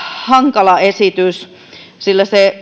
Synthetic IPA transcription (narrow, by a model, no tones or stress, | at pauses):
hɑŋkɑlɑesit̪ys | silːæse